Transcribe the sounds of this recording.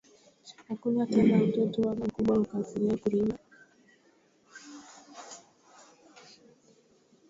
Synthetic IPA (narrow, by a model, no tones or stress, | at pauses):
hakunatanautɔtɔwanakuɓwaukasiɾiakuɾima